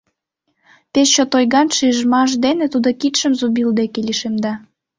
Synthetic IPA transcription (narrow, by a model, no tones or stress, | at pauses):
pest͡ɕot̪ojɣɑnʃyəʒəmɑʃ̬d̪enĕt̪ud̪okit̪ʃəmzubild̪ekeliʃemd̪ɑ